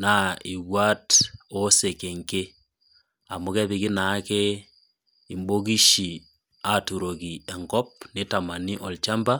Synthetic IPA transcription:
nai˨ɣwa˦tose˨ke˨ŋke˦ | a˨moke˦βiki˦na˦ke | i˨mbo˦ki˦ʃi˨ | a˨tu˨ɾo˨ki˨e˨ŋɡɔ˦p̚ne˦tama˨ni˦ʔɔ˨lt͡ʃa˦mba˦

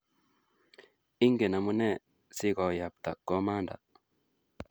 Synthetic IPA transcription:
i˦ŋɡe˨na˨mu˦nɛ˦˨ | sɪ˦kɔ˨ja˨p̚t̪a̰˨kɔ˦ma˦nda̰˨

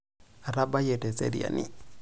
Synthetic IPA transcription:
a˨ɾa˦ba˦je˨tɛ˨sḛ˦ɾi˨a̰˨nḭ˦

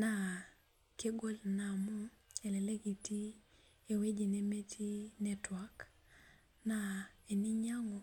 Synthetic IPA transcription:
na˨ | ke˦ɡo˦lna˨mu˦ | e˨lɛ˨le˦ɡi˨ti˦ | e˨we˦d͡ʒi˨ne˦me˦tʰi˦nɛ˨twak | na˨e˨ni˦ɲa˦ŋɔ˨

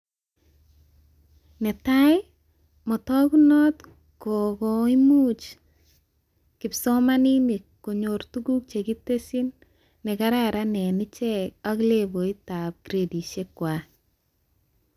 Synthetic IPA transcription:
nɛ˨ta˦ɪ˦ | mɔ˨tɔ˦ku˦nɔ˦t̪ | ko˨kɔ˨i˦mu˦t͡ʃ | kɪpsɔ˦ma˦ni˦ni˨ | ko˨ɲo˨ɾtu˦ɡu˦k̚t͡ʃe˨ki˦te˦si˦nː | ɛ˨ka˦ɾaɾa˦nɛ˨nɪ˦t͡ʃɛ˦a˦kle˦bo˨i˦ta˨p̚ɡ̥ɾe˨di˨ʃe˦kwa˨

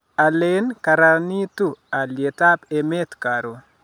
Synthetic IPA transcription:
a˨le˦nka˨ɾa˨ni˦t̪u˦a˨lje˨ta˦pe˨me˦t̪ka˨ɾo˨

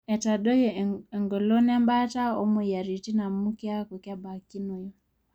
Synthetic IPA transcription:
ɛ˨ta˨ɗɔ˦jɔ˨ɛ˨ŋɡɔ˨lɔ˦nɛ˦mba˦ta˦ɔ˦mu˨ja˨ɾi˨ti˦na˨mu˦ki˦a˦ku˨ka˦ba˨ki˦no˨jɔ˦

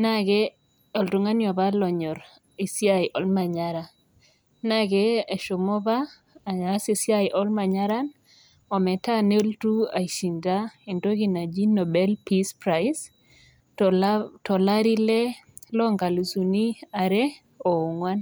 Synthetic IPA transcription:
na˦ɡɛ | ɔ˨ltu˨ŋa˦njɔ˨βa˦lɔ˨ɲɔ˨ɾ | i˨sja˨jʔɔ˨lma˨ɲaɾa˨ | naɡɛː˨ʃo˨mɔ˦βaː˦˨ | a˦si˨sja˦jʔɔ˦lma˨ɲa˦ɾa˦n | ɔ˨mɛ˨ta˦ne˦ltu˦a̰˨i˨ʃi˨nda˦e˨ndo˦ɡi˦na˨d͡ʒi˦nɔ˨bɛ˦lpi˦spɾa˨js | tɔ˨la˦ɾi˦lɛ˦lɔ˦ŋɡa˨lu˨su˨ni˦a˨ɾɛ˦ | o˨u˨ŋwa˦n

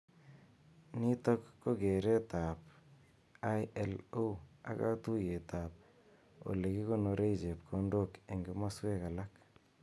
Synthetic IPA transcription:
ni˦to˦kːo˦ke˨ɾe˦ta˨p | a˦jɛ˦lo˦a̰˨ka˦tu˦je˨ta˨p̚ | o̰˨le˨ki˦ko˦no˨ɾe˦it͡ʃe˨p̚kʰo˦ndo˦ke˨ŋɡe˦ma˦swe˦ka˨la˦k

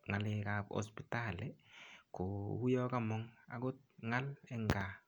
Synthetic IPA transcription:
ŋa˨lɪ˨ka˨pɔ̰spita˨leko˨hu˦jɔ˦ka˦mɔ˦ŋa̰˨ɡʊ˦t̚ŋa˦lɛ˦ŋɡa˨

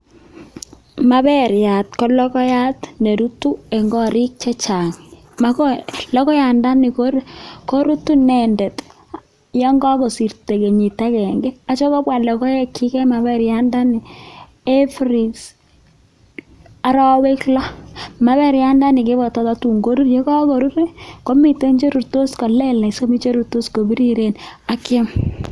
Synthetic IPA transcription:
ma˦βɛ˦ɾja˨t̚kɔ˦lɔ˦kɔ˦ja˦tne˨ɾu˦tu˦ɛ˨ŋɡɔ˦ɾɪ˦k̚t͡ʃɛ˦t͡ʃa˨ŋ | maklɔ˦kɔ˦ja˨nda˦nɪ˨koɾko˦ɾu˦tu˦nɛ˨ndɛ˨t | jɔ˦ŋɡɔ˦ko˨si˨ɾte˨ke˨ɲi˨ta˦kɛ˨ŋɡɛ˦a˨t͡ʃo˦kɔ˦pwa˨lɛ˨kɔ˦jɛ˦kʰi˦kɛ˦ma˨bɛ˦ɾja˦nda˦ni˨ | e˦fɾi˨s | a˨ɾɔ˦we˦klɔ˦ma˦βɛ˦ɾja˦nda˦nɪ˨ke˦bɔ˨tɔ˨˦ta˦tu˨ŋɡo˦ɾu˦rje˦kɔ˦ko˨ɾu˦ɾe˦ko˦mi˨te˦ɲd͡ʒe˦ɾu˨rto˦sko˨lɛ˦la˨so˦mi˦t͡ʃe˦ɾu˨ɾto˦sko˨bi˦ɾi˦ɾe˦na˨kje˦m

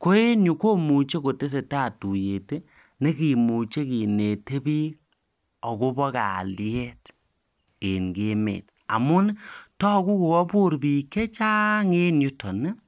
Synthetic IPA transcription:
ko˦e˦nɲu˨ko˦mu˨t͡ʃe˦ko˨te˦s̬e˨ta˦˨tu˨je˨te˦ | ne˦ki˨mu˨t͡ʃe˦ki˨ne˨te˦bi˦ | ɔ˨ko˦bɔ˦ka̰˨ljɛ˦t | e˨nɡe˦mḛ˨t | a̰˨mʊ˦n˦tɔ˦˨ku˦ku˨wɔ˦pu˦ɾbi˨ke˦t͡ʃa˦ŋe˦nju˦tɔ˨nɛ˦

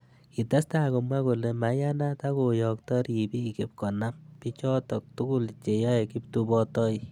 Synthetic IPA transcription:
ki˨ta˦sta˦ko˨mwa˦ko˨le˨ma˨ja˦na˦ta˦ko˨jɔ˨k̚tɔ˦ɾi˨bi˦˨ke˨p̚kɔ˨na˦mpi˦t͡ʃɔ˦tɔ˨k̚tu˦ku˦lt͡ʃe˨jɔ˦e˨ki˦p̚tu˦bɔ˦tɔ˦i˦

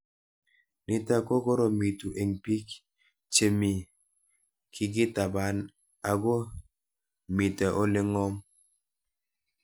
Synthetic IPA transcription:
ni˨ta˦˨ko˦ko˦ɾo˨mi˨tu˨ʔe˨ŋpi˦k | t͡ʃe˨mi˨ | kʰi˨ɡi˦ta˨ba˦n | a˨ɡo˦ | mi˨tɛ˨ʔo˦le˦ŋɔ˦m

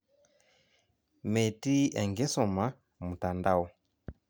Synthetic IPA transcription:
mɛ˨ti˦ɛ˨ŋɡɛ˦sɔ˨ma˦ | mu˨ta˨nda˦˨wɔ˨

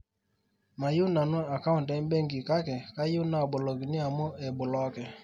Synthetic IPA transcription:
ma˨ju˦na˨nu˦a˨ka˦ʊ˨ntɛ˦n˦be˦ŋ˦ɡi˨ka˦kɛ˨ka˦ju˦na˨bʊ˨lɔ˨ɡi˨ni˦a˨mʊ˦ɛ˨bʊ˨lɔ˨˦kɛ˨

